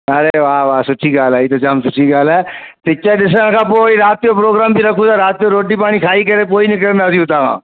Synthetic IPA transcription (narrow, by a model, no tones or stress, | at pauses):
ɐɾeʋaːʋaːsʊʈʰiɡaːlaːit̪od͡ʒɐmsʊʈʰiɡaːlɛː | t̪ɪt͡ʃaɗɪs̬əñkʰãːpoːiɾaːt̪ːjopɾoːɡɾaːmbʱiɾɐkʰũt̪aɾaːt̪ːijoɾoːʈipaːɽ̃ikʰaːikɐɾepoːinɪk̬əɾənd̪aːsiũt̪aːkʰã̰ː